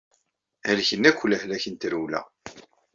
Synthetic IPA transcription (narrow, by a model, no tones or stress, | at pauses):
ælçənːækʷːləhlæçənt̪əɾuwlæ̰